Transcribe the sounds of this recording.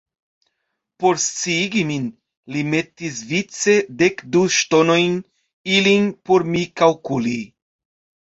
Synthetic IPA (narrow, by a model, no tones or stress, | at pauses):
poɾst͡siiɡimin | limetisvit͡sed̪ekd̪uʃt̪onojn | ilinpoɾmikalkuli